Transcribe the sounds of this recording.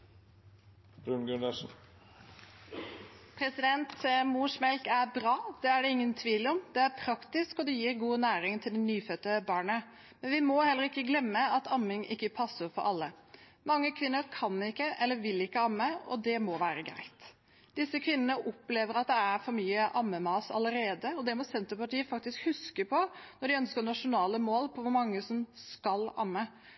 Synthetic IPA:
b̥ɾʉnɡʉnəʂn̩ | pʰɾɛsɪd̪ɛnt̪muːʂmɛlkæɾbɾɑːd̪̥ɛæɖɛɪŋːənt̪ʰʋiːlɔmd̪̥ɛæɾpʰɾɑkt̪ɪskɔd̪ɛjiːɾɡuːnæːɾɪŋt̪ʰɪld̪ɛnyːfœt̪ːəbɑːɳə | mɛnʋɪmɔhɛlːəɾɪkːəɡlɛmːəɑt̪ɑmːɪŋʔɪkːəpʰɑsːəɾfɔ̰ɾʔɑlːə | mɑŋːəkʰʋɪnːəɾkʰɑnːɪkːəʔɛlːəʋɪlɪkːəɑmːəɔ̰d̪ɛmɔʋæːɾəɡɾæ̰ɪt̪ | d̪ɪsːəkʰʋɪnːənəʔɔpleːʋəɾɑt̪̚d̪ɛæɾfɔɾmyːəʔɑmːəmɑːsɑ̰ləɾeːd̪əɔd̪ɛmɔsɛnt̪əpɑʈ̪iːəfɑk̚t̪ɪskhʉskəpʰɔnɔɖɪœnskənɑʂʊnɑːləmoːlpʰɔʋʊɾmɑŋːəsɔmskɑlɑ̰mːə

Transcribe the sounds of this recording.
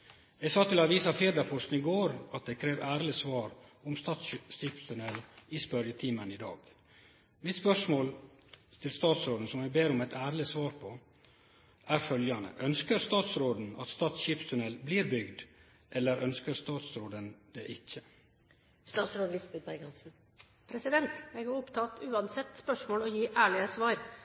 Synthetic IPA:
ɛɡsɑːt̪ʰɪlɑʋiːsɑfeːd̪ɑfɔʂnɪɡoːɾɑt̪̚d̪ɛkʰɾeːʋæːɾlɪsʋɑːɾɔmst̪ɑːt̪sʃiːpst̪ʰʉnɛlːɪspœɾjət̪ʰiːməniːd̪ɑ̰ːɡ | mɪt̪spœʂmoːlt̪ʰɪlst̪ɑːt̪sɾoːd̪n̩sɔmɛɡbeːɾɔmɛɪt̪ʰæːɾlɪsʋɑːɾpʰɔ | ʔæɾfœljɑnə̰ʔœnskəɾst̪ɑːt̪sɾoːd̪n̩ɑt̪st̪ɑːt̪sʃiːpst̪ʰʉnɛlbliːɾbʏɡd̪ | ʔɛlːəɾʔœnskəɾst̪ɑːt̪sɾoːd̪ənd̪ɛʔɪçːə | st̪ɑːt̪sɾoːd̪lɪsbɛt̪̚bæɪɡɑnsn̩ | pʰɾɛsɪd̪ɛnt̪ɛɡʊʊpt̪ʰɑt̪ʉːɑnsɛt̪ːspœʂmoːlɔjiːʔæːɭɪəsʋɑːɾ

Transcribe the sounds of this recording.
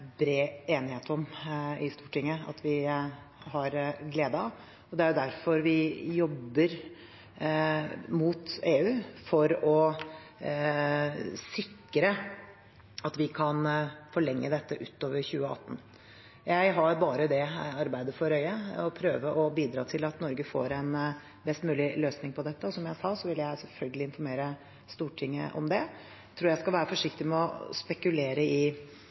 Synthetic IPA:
bɾeːeːnɪheːt̪ɔmɪst̪uːʈɪŋːəɑ̰t̪ʋɪ | ɦɑɾɡleːd̪əɑ | ɔd̪ɛæɾjʊd̪æɾfɔɾʋɪjɔbːəɾ | muːt̪eːʉːfɔɾɔ | sɪkːɾə | ɑt̪ʋɪkʰɑnfɔɭɛŋːə̰d̪ɛt̪ːəʔʉt̪ːoːʋəɾçʉːəɑ̰t̪ːn̩ | jæɪɦɑɾbɑːɾəd̪ɛɑɾbæɪd̪əfɔɾœʏəɔpʰɾøːʋəʔɔbiːd̪ɾɑ̰ːt̪ʰɪlɑt̪nɔɾɡəfo̰ːɾɛn | bɛst̪mʉːlɪløːsnɪŋpʰɔd̪ɛt̪ːəɔsɔmjæɪsɑːsɔʋɪljæɪsɛlfœlɡəlɪnfɔɾmeːɾə | st̪uːʈʰɪŋːə̰ʔɔ̰md̪ɛ | t̪ʰɾuːɾjæɪskɑlʋæːɾəfɔʂɪk̚t̪ɪmɛɔspɛkʉleːɾəɪ

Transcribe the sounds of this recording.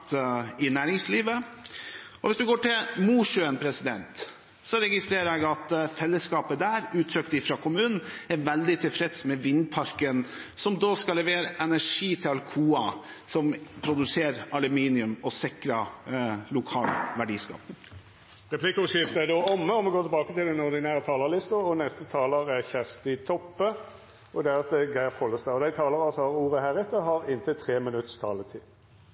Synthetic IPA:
t̪ɪnæːɾɪŋsliːʋə | ɔʋɪsd̪ʉɡoːʈɪlmuːʂøənpʰɾɛsɪd̪ɛnt̪ | sɔɾɛɡɪst̪ɾeːɾəɾɛɡɑt̪fɛlːəskɑːpəd̪æːɾʉːt̪ʰɾœkt̪ɪfɾɑkʰʊmʉːnn̩ɛɾʋɛld̪ɪt̪ʰɪlfɾɛt̪smɛʋɪnːpʰɑɾkənsɔmd̪oːskɑlːɛʋeːɾəʔɛnæʂiːt̪ʰɪlɑlkʰuːɑ | sɔmpʰɾʊd̪ʉseːɾɑlʉmiːnɪʉmɔsɪkɾɑlʊkʰɑːlʋæɖiːskɑ̰ːp | ʁɛpʰlɪkəʊʂɪft̪əæd̪oːɔmːəɔmɛɡoːt̪ʰɛbɑːkət̪ɪld̪ɛnɔɾd̪ɪnæːɾət̪ʰɑːləlɪst̪ɑɔnɛst̪ət̪ʰɑːləɾæçæʁst̪ɪt̪ʰɔpːə | ʔɔd̪ɛæɾɑt̪̚d̪ɛɡæɪfhɔlːəst̪ɑɔd̪æɪt̪ʰɑːləɾɑsɔhɑɾuːɾəhæɾɛt̪əɦɑɾɪnt̪ət̪ʰɾeːmɪnʉt̪st̪ʰɑːlət̪ʰɪ

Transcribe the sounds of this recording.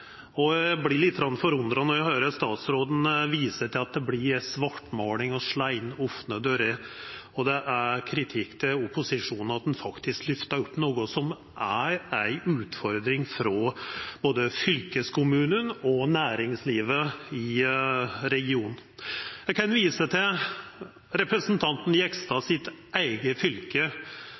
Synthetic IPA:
ɔjæblɪlɪt̪ːɡɾɑnfɔɾʉnd̪ɾɑnɔæhøːɾəst̪ɑːt̪sɾoːd̪n̩ʋiːsəʈɪlɑt̪̚d̪ɛblɪɾsʋɑʈːmoːlɪŋɔʂɭæɪnɔfnəd̪øɾeɔd̪ɛʔæɾkʰɾɪt̪ʰɪkt̪ʰɪlʊpːʊsɪʂuːnn̩ɑt̪̚d̪ɛnfɑkt̪ɪsklʏft̪ɑɾɔpːnoːɡʊsɔm | ʔæɾæɪʔʉːt̪fɔɾd̪ɾɪŋfɾɔb̥oːd̪əfʏlkəskʰʊmʉːnənɔnæːɾɪŋsliːʋəɪ | ɾɛɡɪuːnn̩jæɪkɑnʋiːsət̪ʰɪ | ɾɛpɾəsnt̪ʰɑnt̪n̩ɛkst̪ɑsɪt̪ʔæɪɡəfʏlkə

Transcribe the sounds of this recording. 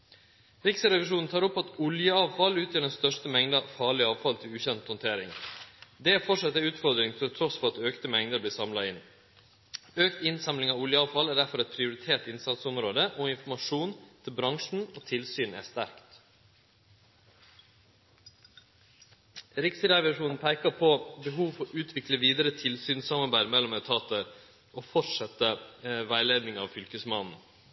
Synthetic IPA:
ɾɪksəɾɛʋɪʂuːnn̩t̪ʰɑːɾɔpːɑt̪ʊljəɑːʋfɑlʉːt̪ʰjɑːɖɛnst̪œʂʈəmɛŋd̪ɑfɑːɭɪɑːʋfɑlt̪ʰɪlʉːçɛnt̪hɔnt̪ʰeːɾɪ̰ŋd̪ɛæfɔʂɑt̪ːəɾʉːt̪fɔɾd̪ɾɪŋfʰɛlt̪ʰɾɔsfɔɾɑt̪øːkt̪əmɛŋd̪əbliːsɑmlɑɪn | øːkt̪ɪnsɑmlɪŋɑːʋʊljəɑːʋfɑlæːɖæɾfɔɾɛt̪̚pʰɾɪʊɾɪt̪ʰeːʈɪnsɑt̪sɔmɾoːd̪əʔoːɪnfmɑʂuːnt̪ʰɪlbɾɑŋʂn̩oːt̪ʰɪlsyːnæ̰ːst̪æɾkt̪ | ɾɪksɾɑʋɑʂuːnn̩pʰæɪkəpʰoːbəɦuːʋfɔɾʔʉːt̪ʰʋɪkləʋiːd̪əɾət̪ʰɪlsyːnsɑmɑɾbæɪɾmɛlːɔmæʉt̪ʰɑːt̪əɾ | oːfɔʈʂɛt̪əʋæɪleːd̪nɪŋɑ̰ːʋfʏlkəsmɑnn̩

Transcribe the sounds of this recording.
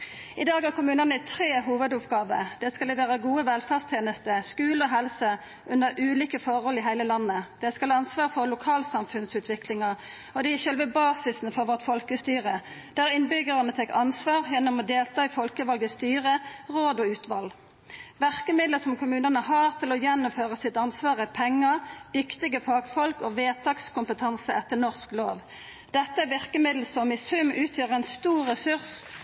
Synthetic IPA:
ɪd̪ɑːɡɑʁkʰʊmʉːnənəɛt̪ʰʁeːɦuːʋəd̪ʊpɡɑːʋə̰ʁd̪ɛskɑlɛʋæːʁəɡuːəʋɛlfæːʁst̪ʰjeːnəst̪əskʉːlɔɦɛlsə | ʔʉnəʁʔʉːliːkəfɔʁhɔlɪɦæɪləlɑnːəd̪̥ɛskɑlɑnsʋɑːʁfɔʁlʊkʰɑːlsɑmfʉnsʉːt̪ʰʋɪklɪŋɑ | ɔd̪ɛɪʃœlʋəbɑːsɪsn̩fɔʁʋɔʁt̪fɔlkəst̪yːʁə | d̪̥æːʁɪnbʏɡəʁənət̪ʰɛkːɑnsʋɑːʁjɛnːɔmɔd̪eːlt̪ʰɑːifɔlkəʋɑlɡəst̪yːʁəʁoːd̪ɔʉːt̪ʰʋɑ̰l | ʋæʁkəmɪd̪ləsɔmkʊmʉːnənəhɑːʁt̪ʰɪlɔjɛnːɔmføːʁəsɪt̪ɑnsʋɑːʁəpʰɛŋːəd̪̥ʏkt̪ɪɡəfɑːɡfɔlkɔʋeːt̪ʰɑːkskʊmpət̪ʰɑnsəʔɛt̪ːəʁnɔʁsklo̰ːʋ | d̪̥ɛt̪ːəʋɪʁkəmɪd̪l̩sɔmɪsʉmʉːt̪ʰjøːʁəæɪnst̪uːʁʁɛsʉʁs

